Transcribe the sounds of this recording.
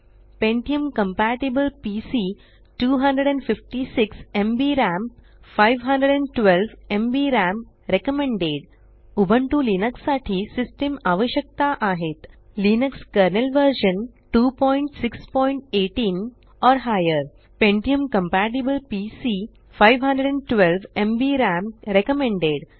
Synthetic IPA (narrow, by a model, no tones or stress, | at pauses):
pẽɳʈijə̃mkə̃mpæːʈibəlpiːsi | ʈuːɦɐ̃ɳɖɾəɖɛ̃ɳɖfɪfʈisɪksẽmbiːɾæ̃m | faɪʋɦɐ̃ɳɖəɖɛ̃ɳɖʈʋelʋẽmbiːɾæ̃m | ɾekəmẽɳɖeːɖ | ubʱə̃ɳʈulinəksːaːʈʰisɪsʈemaːʋəʃjək̚t̪aʔaːɦet̪ | linəkskəɾnelʋəɾʃə̃nʈuːpɔ̃ːɪ̃ɳʈsɪkspɔːɪɳʈ̚eːʈĩn | ɔːɾɦajəɾ | pẽɳʈijəmkə̃mpæʈibəlpisi | faɪʋɦɐ̃ɳɖɾeɖɛ̃ɳɖʈʋelʋẽmbiɾæmɾekəmẽɳɖeɖ